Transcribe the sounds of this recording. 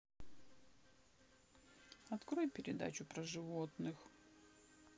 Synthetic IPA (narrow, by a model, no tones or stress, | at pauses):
ɐt̪kɾojpʲɪɾʲɪd̪a̰t͡ɕʊpɾəʐɨvot̪nɨx